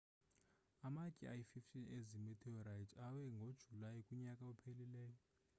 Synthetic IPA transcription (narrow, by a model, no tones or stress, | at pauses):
amakʼiajififtʰʼinezimitʰiɔɾajtʰawɛŋɡʱod̥ʒ̥ʱulajikʼuɲakʼaupʰelilɛːjɔ